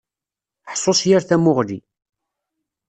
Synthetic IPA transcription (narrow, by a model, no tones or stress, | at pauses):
ħsˤːosjaɾθæmʊʁlḭ